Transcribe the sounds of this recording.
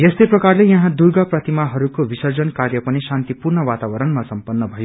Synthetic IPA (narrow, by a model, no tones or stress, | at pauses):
jest̪eprʌkarlejʌɦãd̪urɡʌprʌt̪imaɦʌɾukobisʌrd͡zʌnkarjʌpʌnisant̪ipurnʌwat̪abʌɾʌnmasʌmpʌnːʌbʱʌjo